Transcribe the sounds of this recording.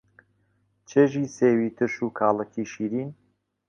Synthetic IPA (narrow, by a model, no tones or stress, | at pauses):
t͡ʃʰeʒiːseːwiːt̪ʰɨʃuːkʰaːləkʰiːʃiːɾiːn